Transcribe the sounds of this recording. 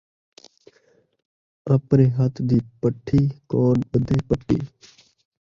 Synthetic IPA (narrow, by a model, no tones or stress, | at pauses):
ɾəpɾeːɦət̪ʰd̪iːpəʈʰːiːkoːnbəd̪eːpəʈʰːḭː